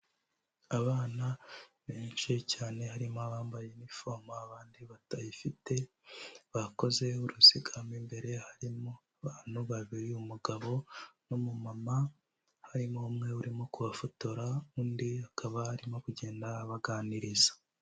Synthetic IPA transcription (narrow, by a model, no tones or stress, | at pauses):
aβaːnaβeːnʃicaːne̞ɦaɾimoaβaːmbaje̞nifo̞maaβaːndiβatajifite̞ | βako̞ze̞uɾusiɡamimbe̞ɾe̞haɾimoaβaːn̥huβaβiɾiumuɡaβo̞nomumama | haɾimoumŋe̞uɾimo̞kuβafotoɾauːndihakaβahaɾimo̞kuɟe̞ːndaːβaɡaːniɾizḁ